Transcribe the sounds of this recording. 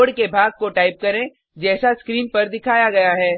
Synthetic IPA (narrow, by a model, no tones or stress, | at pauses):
ɽkebʱaːɡ̚koʈaːɪp̚kɐɾẽ | d͡ʒɛːsaskɾiːnpɐɾd̪ɪkʰaːjaɡɐjaɦɛː